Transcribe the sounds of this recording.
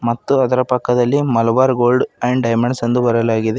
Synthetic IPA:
mɐt̪ːuɐd̪ɐɾɐpɐkːɐd̪ɐlːimɐlɐʋaːɾɡoːlɖɐjɳɖɐjmɐɳɖsɐnd̪ubɐɾɐlaːɡid̪e

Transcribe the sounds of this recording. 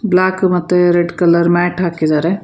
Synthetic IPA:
blaːkmɐt̪ːeɾeɖkɐləɾmɛːʈʰaːkːid͡ʒaːɾe

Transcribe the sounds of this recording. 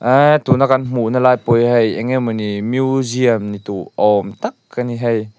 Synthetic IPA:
ʔat̪unakanm̥uʔnalajpojɦɛjɛŋɛmɔnimjuziəmnit̪uʔɔmt̪akːaniɦɛj

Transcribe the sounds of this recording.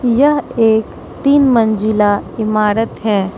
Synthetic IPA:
jɐɦeːk | t̪iːnmə̃nd͡ʒɪlaɪmaːɾət̪ɦɛ̃ː

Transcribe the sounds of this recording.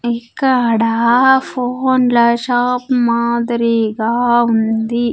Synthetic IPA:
ikːɐɽapʰoːnlɐʃaːpmaːd̪ɐɾiɡaːund̪i

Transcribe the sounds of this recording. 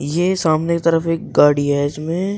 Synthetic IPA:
jesaːmneket̪ɐɾəfeːk̚ɡaːɽiɛːd͡ʒmẽ

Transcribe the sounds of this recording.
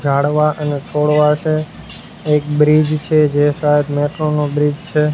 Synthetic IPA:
d͡ʒʱaɽʋaʔənet͡ʃʰoɽʋaʃe | ek̚bɾid͡ʒt͡ʃʰed͡ʒeʃaɦed̪mɛʈɾonobɾid͡ʒt͡ʃʰe

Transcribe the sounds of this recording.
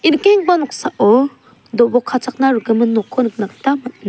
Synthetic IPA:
iɾkeŋ̚banɔksaʔɔ | dɔbɔkʰːat͡sak̚naɾɯɡɯmɯnːɔkʰɔnɯk̚naktamat̚na

